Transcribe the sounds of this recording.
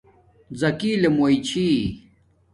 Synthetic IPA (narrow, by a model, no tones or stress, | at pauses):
zɐkiːlemuit͡ɕʰi